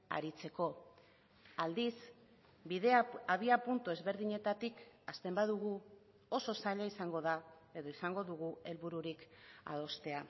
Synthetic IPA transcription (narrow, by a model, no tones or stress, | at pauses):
a̰ɾit͡se̞ko̞ | ald̪is | biðeaβiapunt̪ue̞zβe̞ɾðiɲe̞t̪at̪ikast̪e̞mbaðuɣu | o̞so̞saʎaisaŋɡo̞ðae̞ðo̞isaŋɡo̞ðuɣ̞ue̞lβuɾuɾika̰ðo̞st̪e̞a